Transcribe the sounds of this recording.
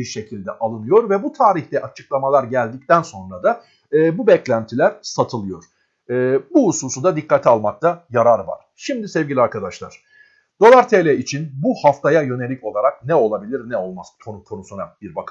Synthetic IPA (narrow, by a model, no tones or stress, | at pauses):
iɾʃe̞cʰilʲd̪ɛʔalˠɯnɯjo̞ɾvɛbut̪ʰaːɾiçd̪ɛʔat͡ʃʰɯklˠamalˠaɾɟælʲd̪ic̚t̪ʰænso̞nɾad̪a | ɯːbubɛclʲænt̪ʰilʲæɾsat̪ʰɯlˠɯjo̞ɾ̥ | ɯːbuɦususud̪ad̪ikʰːat̪ʰialˠmak̚t̪ʰajaɾaɾva̰ɾ̥ʃimd̪isɛvɟʲiiaɾkʰad̪aʃlˠa̰ɾ̥ | d̪̥o̞lˠaɾt̪ʰelʲɛit͡ʃʰinbuhaft̪ʰajajø̞ne̞lʲicʰo̞lˠaɾak̚nɛo̞lˠabilʲiɾnɛo̞lˠmazkʰonukʰo̞nusunabiɾbakʰ